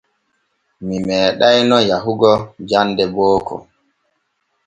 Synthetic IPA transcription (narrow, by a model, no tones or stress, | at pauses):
mimɛːɗajnɔjaɦuɡɔd͡ʒandɛbɔːkʰɔ̰